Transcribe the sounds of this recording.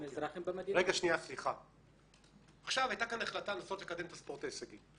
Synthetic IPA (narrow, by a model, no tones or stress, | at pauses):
mezɾaχembemad̪iʁeɡaʃniasliχa | aχʃavajt̪akanaχlat̪alaːsotlekad̪e̞mt̪aspo̞ʁt̪aesaɡim